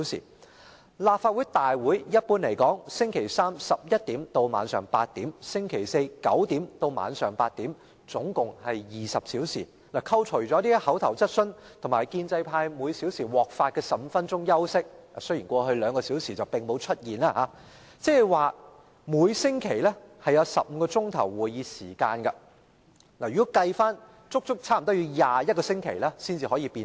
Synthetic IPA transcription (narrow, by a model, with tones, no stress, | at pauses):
wsḭː˨˩ | laː˨p̚faː˧t̚wu˨˥jt̪aː˨jwuː˨˥jjɐ˥t̚puː˧nle˨˩jkɔː˨˥ŋsɪ˥ŋkʰe˨˩jsaː˥msɐ˨p̚jɐ˥t̚t̪iː˨˥mt̪o˧wma̰ː˨˧nsœː˨˩ŋpaː˧t̚t̪iː˨˥msɪ˥ŋkʰe˨˩jse˧jkɐ̰˨˥wt̪iː˨˥mt̪o˧wma̰ː˨˧nsœː˨˩ŋpaː˧t̚t̪iː˨˥m | t͡sʊ˨˥ŋkʊ˨ŋhɐ˨jjiː˨sɐ˨p̚siː˨˥wsiː˨˩ | naː˨˩kʰɐ˧wt͡ʃʰɵ˨˩ɥt͡sɔː˨˥t̪iː˥hɐ˨˥wt̪ʰɐ˨˩wt͡sɐ˥t̚sɵ˥nt̪ʰʊ˨˩ŋmaː˨˩jkiː˧nt͡sɐ˧jpʰaː˧jmuː˨˧jsiː˨˥wsiː˨˩wɔː˨˩k̚faː˧t̚kɛː˧sɐ˨m̩˨˧fɐ˥nt͡sʊ˥ŋjɐ˥wsɪ˥k̚ | a˨sɵ˥jiː˨˩nkʷɔː˧ɦɵ˧ɥlœː˨˧ŋkɔː˧siː˨˥wsiː˨˩t͡sɐ˨wpɪ˨˩ŋmo˨˧wt͡ʃʰɵ˥t̚jiː˨nlaː˧haː˨˧ | t͡sɛː˥hɛ˨˩waː˨ | muː˨˧jsɪ˥ŋkʰe˨˩jlɛ˥hɐ˨jɐ˨˧wsɐ̰˨p̚m̩˨˧kɔː˧t͡sʊ˥ŋt̪ʰɐ̰˨˩wwuː˨˩jjiː˨˧siː˨˩kaː˧nkɐ˧ | naː˨˩jy˨˥kɐ˧jfaː˥n | t͡sʊ˥k̚t͡sʊ˥k̚t͡sʰaː˥m̩˨˩ɔ˥jy˨˧jaː˨jɐ˥t̚kɔː˧sɪ˥ŋkʰe˨˩jlɛː˥siː˥nt͡siː˨hɔ˨˥jiː˧piː˧n